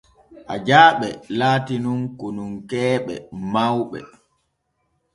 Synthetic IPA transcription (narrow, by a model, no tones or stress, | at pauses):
ʔad͡ʒaːɓɛlaːtinunkonunkɛːɓɛ̰mawɓɛ̰